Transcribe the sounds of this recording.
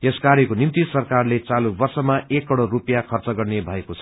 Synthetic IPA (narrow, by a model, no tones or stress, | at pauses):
eskaɾekonimt̪isʌrkarlet͡salubʌrsʌmaekːʌɽorupjakʰʌrt͡sʌɡʌrnebʱʌekot͡sʰʌ